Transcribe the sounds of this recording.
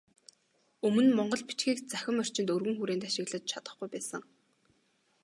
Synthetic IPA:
ɵmɵ̆nmɔɴɢɞ̆ɮpit͡ɕxiːkt͡sæxʲɪ̆mœr̥t͡ɕɪ̆nt̪ɵrɣɘ̆ŋxuɾeːnt̪aʃɪ̆ɣɮə̆t͡ɕ̚t͡ɕʰat̪ə̆χɡujpæːsə̆ŋ

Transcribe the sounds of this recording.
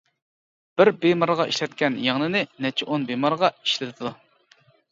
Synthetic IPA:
b̥ɪɾbemɑɾʁɑʔḭʃlɛt̪̚kʲʰɛnjɑŋnɨnɪnɛt͡ʃʰɪʔonbemɑɾʁɑiʃlɪt̪ʰɪd̪u

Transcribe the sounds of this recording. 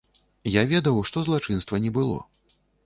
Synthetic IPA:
javʲɛd̪ɐwʂt̪ɔzlˠat͡ʂɨnst̪vɐnʲɛbɨlˠɔ̰

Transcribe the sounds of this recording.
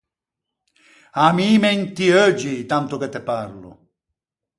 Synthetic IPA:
amiːmɛnt̪iød͡ʒit̪ant̪ʊket̪ːeparlʊ̰

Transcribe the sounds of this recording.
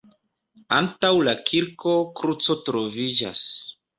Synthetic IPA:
antawlakʰiɾko̞kɾut͡so̞tɾo̞vid͡ʒa̰s

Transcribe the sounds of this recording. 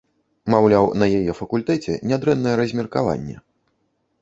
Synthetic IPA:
mawlʲawnɐjajɛfɐkulʲt̪ɛt͡sʲɛ̰nʲad̪ɾɛnːɐjɛɾɐzʲmʲɛrkava̰nʲːɛ̰

